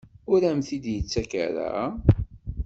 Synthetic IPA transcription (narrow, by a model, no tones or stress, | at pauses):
ʊɾæmθid̪jət͡sːæka̰ɾa̰